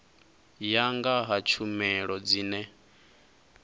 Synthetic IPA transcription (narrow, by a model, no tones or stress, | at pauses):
jaŋɡaɦat͡ʃʰumɛɺɔd͡ziːnɛ